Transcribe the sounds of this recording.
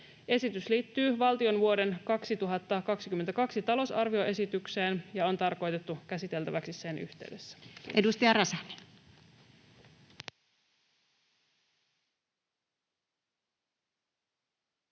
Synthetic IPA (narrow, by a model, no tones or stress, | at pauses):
e̞sit̪ysliːt̪ːyːʋɑlt̪io̞nʋuo̞de̞nkɑksit̪uɦɑt̪ːɑkɑksikymːent̪ækɑksit̪ɑlo̞sɑrʋio̞ʔe̞sit̪ykse̞ːnjɑont̪ɑrko̞jt̪e̞t̪ːuk̟æsit̪e̞lt̪æʋæksisse̞ny̰ht̪e̞yɥde̞sːæ̥edust̪iɑɾɑsɑni̥